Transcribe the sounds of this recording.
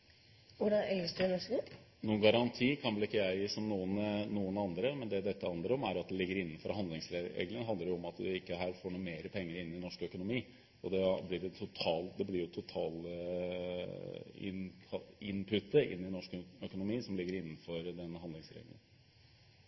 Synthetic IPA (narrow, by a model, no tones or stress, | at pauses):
ʋʊɖɑnœʏəsd̪ʉɪnɔʂə | nuːnɡɑɾɑnt̪ʰiːkʰɑnʋəlɪkːəæɪsɔmnuːənnuːənɑnd̪ɾəmɛnd̪ɛd̪ɛt̪ʰːəhɑnd̪əɾɔmæɾɑt̪̚d̪ɛlɪɡːəɾɪnːənfɔɾhɑnd̪lɪŋsɾeɾḛːɡləŋɦɑnd̪əɾʊɔmɑt̪d̪ʉ̰ɪkːəɦæːɾfoːɳuːmeːɾəpʰɛŋːəɾɪnːɪnɔʂkœkʊnʊmiː | ɔd̪ɛblɪɾɛt̪ʰʊt̪ʰɑːld̪ɛblɪɾjʊt̪ʰʊt̪ʰɑːlə | ɪ̰nʰɪnpʰʉt̪ːəɪ̰nːɪnɔʂkœkʊnʊmiːsɔmlɪɡːəɾɪnːnfɔɾd̪ɛnːəɦɑnd̪lɪŋsɾḛːɡlə̰n